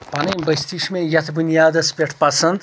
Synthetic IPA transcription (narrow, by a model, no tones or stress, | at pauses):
pɐnɐbɐjst̪iʃmẽjɐt̪ʰbunjaːd̪ɐspʲeʈʰpɐsɐnd̪